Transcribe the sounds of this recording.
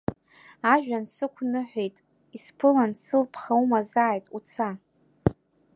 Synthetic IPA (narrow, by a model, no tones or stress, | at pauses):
aʒᶣansɨkʷʰnɨħʷᶣejtʼ | ispʰɨlansɨlpʰχaumazaːjtʼut͡sʰa